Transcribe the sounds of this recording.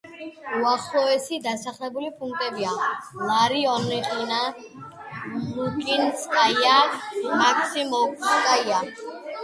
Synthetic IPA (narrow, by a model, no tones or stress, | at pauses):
uaχlˠɔɛsid̪asaχlɛbulipʰuŋk̚ʰt̪ʼɛbialaɾiɔniχʼina | mukʼinskʼajamakʰsimɔkʼskʼaia